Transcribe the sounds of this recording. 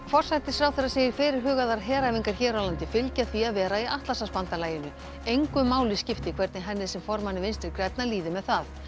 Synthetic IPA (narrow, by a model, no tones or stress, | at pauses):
fɔr̥sajht̪ɪ̥sfɾaːwθɛɾaseːjɪɾ̥fɪɾɪɾ̥ɦʏːɣaðaɾɦɛːɾajviŋkaɾ̥çɛːɾalant̪ɪfɪlcaθviaðvɛːɾaiʔaht̪lasaspant̪alaːjɪnʏ | ejŋkʏmaːwlɪscɪft̪ɪkʰv̥ɛɾt̪nɪɦɛnːɪðsɛmfɔɾmanːɪvɪnst̪ɪɾkɾɛt̪naliːðɪmɛðθað